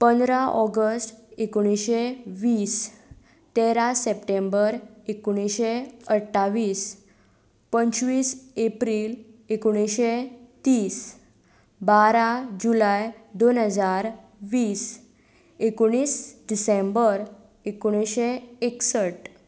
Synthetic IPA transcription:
pənd̪ɾaʔɔɡəsʈekoɽ̃iɕeʋiːs | t̪eɾasepʈembəɾekoɽ̃iɕeəʈʰːaʋiːs | pəɲt͡ɕʋiːsepɾiːlekoɽ̃iɕet̪iːs | baɾad͡ʑulajd̪onɦəd͡zaɾ | ʋiːs | ekoɽ̃iːsɖisembəɾ | ekoɽ̃iɕeeksəʈ

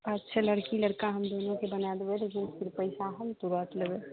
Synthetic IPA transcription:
ɐtːʃʰalɐɽkilɐɽkaɦɐmd̪oːnõkebɐnaːd̪ewelekɪnfʰɪɾpəɪsaɦɐmt̪uɾat̪ləʋe

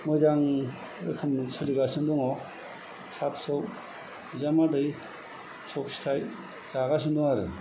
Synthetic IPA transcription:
mɔjzaŋ | ɾɯ̰kʰɯmsɯliɡasɯndɔŋɔ | t͡ʃʰapsɔw | zamadɯj | sʰɔksi̥tʰaj | t͡ʃaɣas̬ɯndɔŋaɾɯ

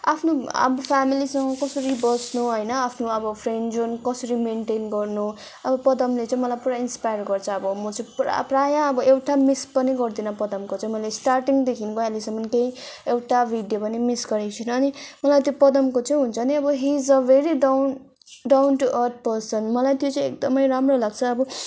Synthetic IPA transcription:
apʰnoʌ̰bʌpʰamilisʌŋɡʌkʌsʌɾibʌsnuɦʌjnʌapʰnoʌbʌpʰreɳɖd͡zonkʌsʌɾimenʈenɡʌrnu | ʌbʌpʌd̪ʌmlet͡sʌĩmʌlajpuɾainspajʌrɡʌrt͡sʰʌʌbʌmʌt͡sʌĩpra̰prajãʌbʌʔewʈamispʌniɡʌrd̪inʌpʌd̪ʌmkot͡sʌ̃ĩmʌjlesʈarʈiŋd̪ekʰinkoalisʌmʌnkeĩ | ewʈabʱiɖjopʌnimisɡʌɾet͡sʰinʌːnimʌlajt̪jopʌd̪ʌmkot͡sʌj̃ɦunt͡sʰʌniʌbʌɦizʌʋeɾiɖwn | ɖawnʈuʔʌrt̪̚ʰpʌrsʌnmʌlajt̪jot͡sʌ̃ĩek̚d̪ʌmʌjɾamrolaɡt͡sʰʌːbʌ

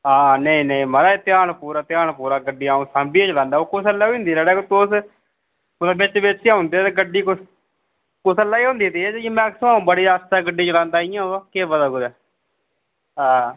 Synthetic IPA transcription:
aːnəĩːnəĩːməɾaːet̪ɪaːnpuːɾaːt̪ɪjaːɳpuːɾaːɡəɖiːaːũːsãːmbiːeːt͡ʃlãːnd̪aːoːkʊsəlːaːõʊ̃ːnd̪iːɾɛːɽɛːkːt̪oːs | ʊnabɪt͡ʃʋɪt͡ʃːaʊ̃nd̪eːɛːt̪eɡəɖːiːkʊs | kʊsəlːaːiːõːnd̪iːt̪iɛd͡ʒiːmɛ̃ːksəaːũːbəɽiːaːst̪aːɡəɖiːt͡ʃəlãːnd̪aːijãːoaːkeːbəd̪aːɡʊd̪ɛː | ɦaː

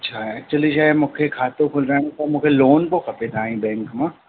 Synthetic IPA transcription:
tːʃʰaɦɛt͡ʃɐliʃaːemʊ̃ːkʰekʰaːt̪õkʰʊlɾaːnĩt̪omũkʰeloːnpokʰɐpet̪ʰaːĩbɛ̃ːŋkmãː

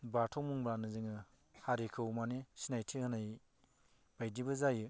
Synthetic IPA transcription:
batʰɔŋmuŋbɾanɯzɯŋɯ | haɾikʰɯwmanisinajtʰihɯnaj | b̥ajdibɯzajɯ

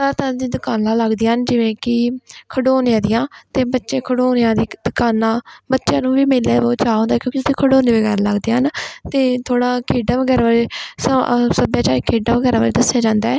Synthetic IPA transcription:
t̪ãd̪id̪ʊkaːnãːləɡd̪iːnd͡ʒɪʋẽːkɪkʰəɖoːnːãːd̪ɪjãːt̪eːbətːʃẽːkʰəɽoːnejãːd̪iːd̪ʊkaːnãːbətːʃjãːnũːʋiːmeːlːaːboːt͡ʃaːɦõnd̪aːkjõːkit̪ʰẽːkʰəɖoːnẽːʋəɡɛːɾaːləɡd̪eːant̪eːt̪ʰoːɽaːkʰeːɖãːʋəɡɛːɾaʋaːɾeːsəsəbjaːt͡ʃaːɾiːkʰeːɖãːʋəɡɛːɾãːʋaːɾeːd̪əsːjaːd͡ʒãːnd̪aːɛː

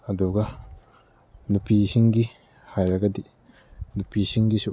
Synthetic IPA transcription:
ad̪uɡa | nupisiŋɡi | hajɾaɡad̪i | nupisiŋɡisu

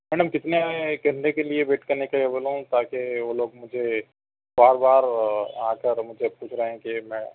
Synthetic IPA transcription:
mɛːɖəmkɪt̪neaːekeɾnekeliebeːʈkɐɾnekaɐbəlũt̪aːkeʋoːloːɡmʊd͡ʒʱe | baːɾbaːɾaːkəɾmʊd͡ʒʱepuːt͡ʃʰɾɐɦẽkimɛ̃ː

